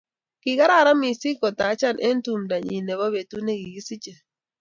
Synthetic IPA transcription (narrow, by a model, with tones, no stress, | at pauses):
ki˨ka˦ɾa˦˨ɾa˦mi˨si˦kɔ˨ta˨˦t͡ʃa˦˨nʔe˦n̩˦tu˨mda˨ɲḭ˨ne˨βɔ˦be˨tu˦ne˦ɡi˨ɡi˦si˦t͡ʃe˨